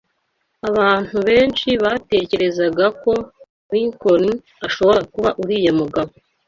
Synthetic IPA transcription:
aβaːn̥huβe̞ːnt͡ʃiβaːte̞ːce̞ɾe̞zaɡako̞ | wiŋkoɾi | aʃo̞βo̞ɾakuβaʔuɾiːjemuɡaβo

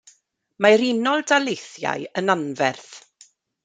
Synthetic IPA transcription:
maɾinɔlˠdalejθja̰jənanvɛrθ

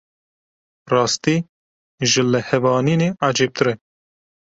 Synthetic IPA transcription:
rɑːst̪iː | ʒɨlɨhɛvɑːniːneːʔɑːd͡ʒeːp̚t̪ɨɾɛ

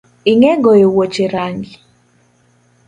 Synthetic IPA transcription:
ɪŋɛɡɔjowot͡ʃeɾaŋɡɪ

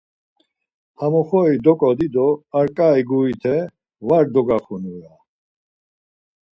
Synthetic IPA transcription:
hamɔχɔid̪ɔkʼɔd̪id̪ɔaɾkʼaiɡuit̪ʰɛ | vaɾd̪ɔɡaχunuja

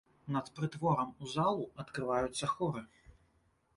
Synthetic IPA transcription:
nɐt̪pɾɨt̪vɔɾɐmuzalˠuɐt̪kɾɨvajut̪sːɐxɔɾɨ

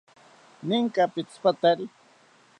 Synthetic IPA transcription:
nɪŋkapɪt͡spat̪aɾi

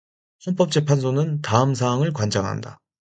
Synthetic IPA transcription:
hʌnp͈ʌp̚t͡ɕ͈e̞pʰansʰonɯntaɯmsʰaːŋɯɭkwand͡ʑaŋɦa̰nda̰

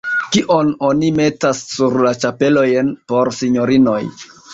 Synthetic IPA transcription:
kiʔo̞no̞nime̞tasːuɾlat͡ʃape̞lo̞jnpo̞ɾsiɲo̞ɾino̞j

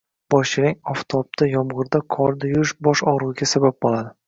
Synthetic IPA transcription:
b̥ɒʃt͡ʃʰɪɾaŋʲɒft̪ʰɒp̚t̪ʰajɒmʁɨɾd̪akʰɒɾd̪ajʊɪʃbɒʃɒʁɾuɡʲasabap̚bɒlˠad̪ɪ

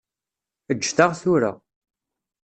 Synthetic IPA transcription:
əd͡ʒːθaʁθuɾa̰

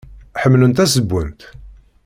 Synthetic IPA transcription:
ħəmːlənt̪æsəbːənt̪

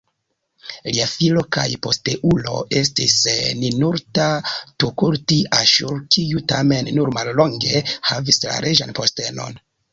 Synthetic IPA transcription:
liafilo̞ka̰jpo̞steʔulo̞̰ʔe̞stisninuɾtatukuɾtiʔaʃuɾkʰijutame̞nːuɾmalːo̞ŋɡe̞havisla̰ɾʔeʒanpo̞ste̞no̞̰n

